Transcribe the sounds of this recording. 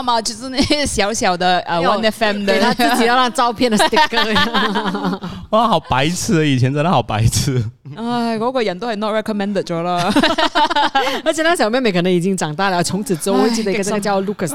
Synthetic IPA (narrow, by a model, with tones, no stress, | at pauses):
ma˨t͡ɕi˥s̩˥ni˥˩ɕjɑ˧˥ʊɕjɑ˨˩ʊd̪ə˧ə˧wa˧nɛ˧fɛ˥˨md̪t̪ʰa˥ɹt͡ɕi˨˩jɻɑ˥˩ŋt͡sɑ˥˧ʊpʰjɛ˥˩ndə˩t̪i˥kə˥˧˥ | a˧˥˩xɑ˨˩ʊpa˧˥ɪt͡sʰɹ̩˥˩˧i˨˩t͡ɕʰjɛ˧˦nt͡sa˥˧ɪna˥˩xɑ˨˩ʊpa˧˥˦ɪt͡s̩ʰ˥˧ | a˥˧˩kɔ˧˥kwɔ˧˩jɛ˨˩nt̪o˥ə˨˩nɔ˥˩t̚ɹɛ˧kɔ˧mɛ̃˥nd̪ə˨˩t͡ʃɔ˧˥lə˧˩ | ə˞˧˥t͡ɕʰjɛ˨˩na˥˩ɕjɑ˨˩mjɛ˥˩nme˧˥kʰnə˧˥ŋi˨˩t͡ɕi˥ŋʈ͡ʂɑ˨˩ŋt̪a˥˩lə˨ə˧˩t͡sʰʊ˧˥ŋt͡s̩ʰ˨˩t͡s̩˥o˥wt͡ɕi˥˩də˩i˧˥ɡə˧ə˥ɡə˧t͡ɕjɑ˥˧lu˥˩kʰə˥˩